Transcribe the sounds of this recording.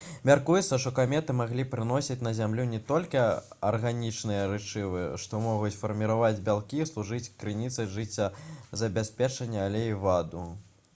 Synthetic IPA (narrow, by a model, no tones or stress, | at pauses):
mʲarkujɛt̪sːɐʂt̪ɔkamʲɛt̪ɨmaɣlʲipɾɨnɔsʲit͡sʲnɐzʲamlʲunʲɛt̪ɔlʲkʲi | ɐ̰rɣanʲit͡ʂnɨjɐɾɨt͡ʂɨvɨʂt̪ɔmɔɣut͡sʲfɐrmʲiɾavad͡zʲbʲalˠkʲislˠuʐɨt͡sʲkɾɨnʲit̪sɨjʐɨt͡sʲːɐzɐbʲasʲpʲɛt͡ʂɐnʲːɐːlʲɛivad̪u